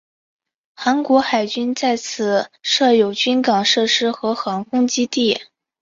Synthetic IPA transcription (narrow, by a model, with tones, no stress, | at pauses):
xa˧˥nkwɔ˧˥xa˨˩ɪt͡ɕy˥nt͡sa˥˩ɪt͡sʰɹ̩˨˩ʂɤ˥˩jo˨˩ʊt͡ɕy˥nkɑ˨˩ŋʂɤ˥˩ʂɻ̩˥xɤ˧˥xɑ˧˥ŋkʰʊ˥ŋt͡ɕi˥t̪i˥˩